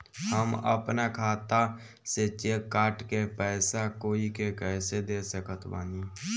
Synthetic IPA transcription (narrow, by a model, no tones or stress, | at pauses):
həmə̰pnakʰaːt̪a | set͡ʃekːaːʈkepɛːsakoːikekɛːsed̪eːsəkət̪ʰbaːniː